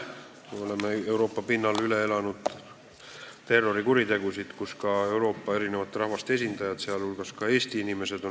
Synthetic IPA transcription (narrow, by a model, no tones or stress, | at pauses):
meo̞le̞mee̞wɾo̞ːpːˑɑpinːɑlyle̞e̞lɑnud̪̥ | t̪e̞rːo̞ɾikuɾid̪e̞ɡusid̪̥kuskɑe̞wɾo̞ːpːɑe̞ɾine̞vɑt̪ːˑeɾɑhvɑst̪ee̞s̬ʲind̪̥ɑjɑd̪̥seɑlulɡ̥ɑskɑe̞ːst̪iinime̞se̞d̪̥o̞